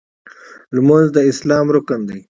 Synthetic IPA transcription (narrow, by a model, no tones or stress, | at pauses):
lmozd̪əɪslɑːmɾʊkand̪ij